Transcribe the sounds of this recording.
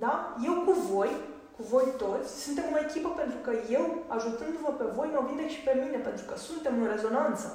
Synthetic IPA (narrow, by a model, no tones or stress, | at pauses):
d̪aje̞wkuvo̞j | kuvo̞jt̪o̞t̪sʲsunt̪e̞munaekʲipəpe̞nt̪ɾukəje̞waʒut̪ɨnd̪uvəpe̞vo̞jməvind̪e̞kʃi̥pe̞mine̞pe̞nt̪ɾukəsunt̪e̞mɨnre̞zo̞nant̪sə